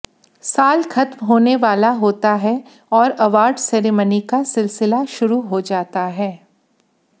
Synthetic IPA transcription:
saːlxɐt̪mɦoːneʋaːlaɦoːt̪aɦɛ | ɔːɾɐʋaːɾɖsɛːɾeːmənikasɪlsɪlaʃʊɾuɦod͡ʒaːt̪aɦɛː

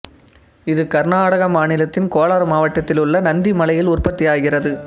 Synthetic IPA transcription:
ɪðɯkɐɾnaːɽɐɣɐmaːɳɪlɐt̪ːɪnkoːlaːɾmaːʋɐʈːɐt̪ːɪlʊɭːɐnɐnd̪imɐlɐjɪlʊrpɐt̪ːɪjaːɣɪrɐðɯ

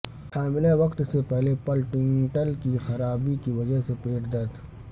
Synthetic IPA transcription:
faːmɪlaʋɐqt̪sepɛɦlepɐlʈɪ̃ŋʈəlkixɐɾaːbikiʋɐd͡ʒəɦsepeːʈd̪əd̪

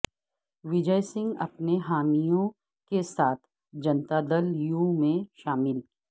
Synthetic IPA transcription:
ʋɪd͡ʒəjsɪ̃ŋɡɐ̰pneɦaːmijõ | kesaːt̪ʰ | d͡ʒɐnt̪ad̪əljũmẽʃaːmɪl

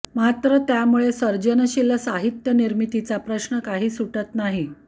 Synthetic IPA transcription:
mat̪ɾət̪jamuɭesəɾd͡ʑənəɕiləsaɦit̪jəniɾmit̪it͡sapɾəɕnəkaɦiːsuʈət̪naɦi

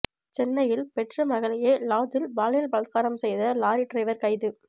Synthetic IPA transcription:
t͡ʃɛnːɐjɪlpɛʈrɐmɐɣɐɭɐjeːlaːd̪ɪlbaːlɐjɐlbɐlɐt̪̚kaːɾɐmsɛjðɐlaːɾiʈɾɐɪːʋɐɾkɐɪðɯ

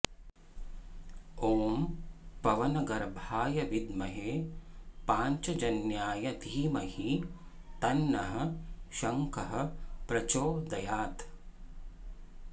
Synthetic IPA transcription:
oːmpɐʋɐnɐɡɐɾbʱaːjɐʋid̪mɐɦeːpaːɲt͡ʃɐd͡ʒɐnjaːjɐd̪ʱiːmɐhi | t̪ɐnːɐɦɐ̆ʃɐŋkɐɦɐ̆pɾɐt͡ʃoːd̪ɐjaːt̪

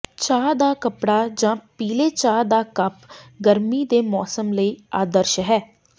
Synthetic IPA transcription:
t͡ʃaːd̪aːkəpɽaːd͡ʒãːpiːleːt͡ʃaːd̪aːkəpɡəɾmiːd̪eːmɔːsəmləiːaːd̪əɾʃɦɛː

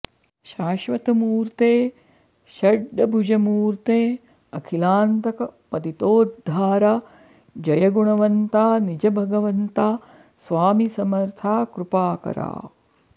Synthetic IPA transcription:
ʃaːʃʋɐt̪ɐmuːɾt̪eː | ʃɐɖːɐbʱud͡ʒɐmuːɾt̪eː | ɐkʰilaːnt̪ɐkɐpɐd̪it̪oːdd̪ʱːaːɾaː | d͡ʒɐjɐɡuɳɐʋɐnt̪aːnid͡ʒɐbʱɐɡɐʋɐnt̪aː | sʋaːmisɐmɐɾt̪ʰaːkɾupaːkɐ̰ɾa̰ː

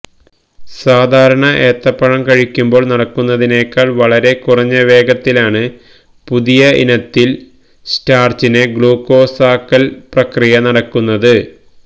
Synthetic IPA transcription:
saːd̪ʱaːɾɐɳɐʔeːt̪ːɐpːɐɻɐmkɐɻikʲːumbo̞ːɭnɐɽɐkːunːɐðine̞ːkːaːɭʋɐɭɐɾe̞kurɐɲːɐʋe̞ːɡɐt̪ːilaːɳɨ | puðijɐʔḭnɐt̪ːil | staːrt͡ɕineɡɭuːko̞ːsaːkːɐlprɐkrijɐnɐɽɐkːunːɐðɨ

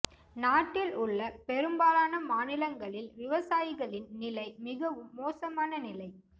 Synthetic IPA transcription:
naːʈːɪlʊɭːɐpɛɾɯmbaːlaːnɐmaːnɪlɐŋɡɐɭɪlʋɪʋɐsaːjɪɣɐɭɪnnɪlɐɪmɪɣɐʋɯmːoːsɐmaːnɐnɪlɐɪ

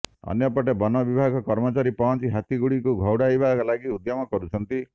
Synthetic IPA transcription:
ɔ̰njɔpɔʈebɔnɔbibʱaɡʱɔkɔɾmɔt͡ʃaɾipɔnt͡ʃiɦat̪iɡuɽikuɡʱɔwɽajbakɔlaɡiud̪jɔmɔkɔɾut͡ʃʰɔnt̪i

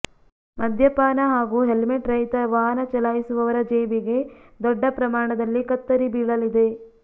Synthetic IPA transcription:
mɐd̪ʱjɐpaːnɐɦaːɡuːɦelmeʈɾɐjt̪ɐʋaːɦɐnɐt͡ʃɐlaːjisuʋɐʋɐɾɐd͡ʒeːbiɡe̞d̪ɔɖːɐpɾɐmaːɳɐd̪ɐlːikɐt̪ːɐɾibiːɭɐlid̪e̞

